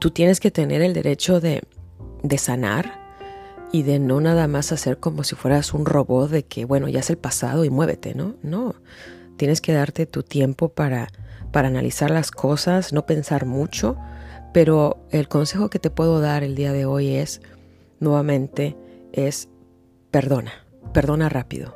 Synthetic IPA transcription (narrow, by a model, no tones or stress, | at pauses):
t̪ut̪jene̞ske̞t̪e̞ne̞ɾeld̪e̞̰ɾʔe̞t͡ʃo̞ðe̞̰ðe̞sana̰ɾ | iðe̞no̞naðamasase̞ɾko̞mo̞sifwe̞ɾasunro̞βo̞t̪̚ðe̞kʰe̞βwe̞no̞̰ʝa̰eselpasa̰ð̞o̞imwe̞βe̞̰t̪e̞̰no̞no | t̪je̞neske̞ðaɾt̪e̞t̪ut̪je̞mpo̞paɾapaɾaːna̰lʔḭsaɾlaskʰo̞sasno̞pe̞nsaɾmut͡ʃo̞pe̞ɾo̞e̞lko̞nse̞xo̞ke̞t̪e̞pwe̞ðo̞ðaɾe̞ld̪iaðe̞o̞je̞s | nwe̞βamẽ̞nt̪e̞e̞s | pe̞ɾðo̞na | pe̞ɾðo̞narapḭðo̞̰